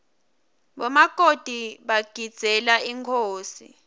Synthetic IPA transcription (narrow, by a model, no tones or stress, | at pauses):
ɓɔmaɡ̥ʱod̥ʱiɓaɡ̥ʱid̥z̥ʱɛlaiŋkʰoːsḭ